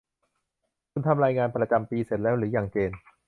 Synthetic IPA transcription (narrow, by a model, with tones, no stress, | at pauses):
kʰu˧nt̪ʰa˧mɾaː˧jŋaː˧npɾa˧t͡ɕa˧mpiː˧se˨˩t̪̚lɛː˦˥wɾɯː˩˦jaː˨˩ŋt͡ɕeː˧n